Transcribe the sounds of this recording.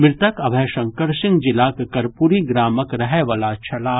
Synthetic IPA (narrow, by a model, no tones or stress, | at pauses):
mɪɾt̪əkɐbʱɛːʃɐ̃ŋkəɾsɪ̃ŋɡd͡ʒɪlaːkkɐɾpuɾiɡɾaːməkɾɐɦɛʋalat͡ʃʰɐlaː